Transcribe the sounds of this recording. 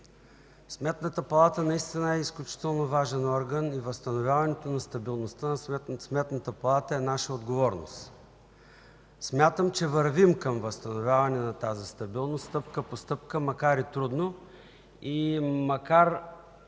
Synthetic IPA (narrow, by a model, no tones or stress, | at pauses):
smɛt̪nət̪əpɐlˠat̪ənɐist̪inəɛisklʲut͡ʃi̥t̪ɛlˠnovaʒɛnɔɾɡənivəst̪ɐnovʲjavɐnɛt̪onɐst̪ɐbilˠnost̪ənɐsɛt̪smɛt̪nət̪əpɐlˠat̪əɛnaʃəod̪ɡovɔɾno̰st̪ | smʲjat̪əmt͡ʃɛvəɾvimkəmvəst̪ɐnovʲjavɐnɛnɐt̪azist̪ɐbilˠnost̪ɤp̚kəpost̪ɤp̚kəmɐkaɾit̪ɾud̪no | imɐkaɾ